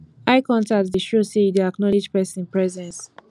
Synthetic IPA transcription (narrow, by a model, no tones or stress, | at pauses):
aɪkɔ̃ntatdəʃosideaknɔlid͡ʒpɛsnpɹɛzɛ̃ns